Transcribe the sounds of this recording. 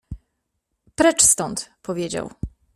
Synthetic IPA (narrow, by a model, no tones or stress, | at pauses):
pɾɛt͡ʂst̪ɔnt̪pɔvʲjed͡ʑa̰w